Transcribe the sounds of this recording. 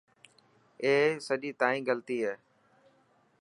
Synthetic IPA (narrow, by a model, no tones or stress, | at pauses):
eːsəʄiːt̪aːĩːɡəlt̪iːɦeː